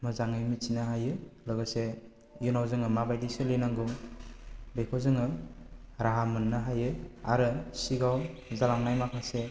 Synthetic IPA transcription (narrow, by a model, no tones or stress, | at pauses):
mɯzaŋɯjmisinaɦajɯlɔɡɯse | junawzɯŋɯmabajdisɯlenaŋɡɯ | bekʰɔzɯŋɯ | ɾaɦamɯnːaɦajɯa̰ɾɯsiɡawzalaŋnajmakʰase